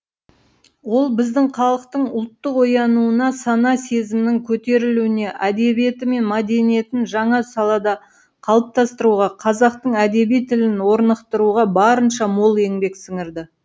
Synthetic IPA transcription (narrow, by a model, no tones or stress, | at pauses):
wo̞lˠbɪzd̪ɪɴqʰɑlˠəqt̪əɴʊlˠt̪ːəqo̞jɑnuənɑsɑnɑse̞zɪmɪnɪŋkʲʰɵt̪e̞ɾɪluɪne̞ʔæd̪e̞bije̞t̪ɪme̞nmɑd̪e̞nije̞t̪ɪnʒɑɴɑsɑlˠɑd̪ɑ | qʰɑlˠəp̚t̪ɑst̪əɾuʁɑqʰɑzɑq̚t̪əɴæd̪e̞bijt̪ʰːɪlɪnwo̞ɾnəqt̪əɾuʁɑbɑɾənʃɑmo̞lˠe̞ŋbe̞ksɪŋɪɾd̪ɪ